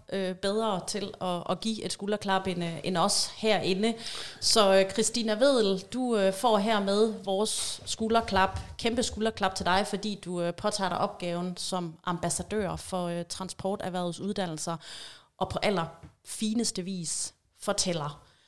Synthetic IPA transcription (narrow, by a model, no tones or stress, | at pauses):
ʔøb̥eð̞ˠʁɐːt͡sʰe̝lɒ̽ɒɡ̥ḭe̝d̥sɡ̥uːlɐkʰlɑ̈b̥enenɒ̽shæɐ̰ʔe̝nəsɒ̽kʰʁisd̥inæʋe̝ð̰ˠl̩d̥uøfɒ̰ːɦæɐ̰með̞ˠʋɒːsːɡ̥uːlɐkʰlɑ̈b̥kʰemb̥əsɡ̥uːlɐkʰlɑ̈b̥̚t͡sʰe̝ld̥ɑ̈ɪfɒ̽d̥ḭːd̥uøpʰɒ̽t͡sʰɑ̰̈ːɾɑ̈ʔɒ̽b̥̚ɡ̥ɛːʊn̩sɒ̽mʔɑ̈mb̥æsæd̥ø̰ːɐfɒ̽øt͡sʰʁɑ̈nsb̥ʰɒːd̥æʋæɐð̩ˠsuð̞ˠd̥æn̰l̩sɐʔɒ̽pʰɒ̽ʔæl̰ɐfiːnəsd̥əʋḭːs | fɒ̽t͡sʰel̰ɐ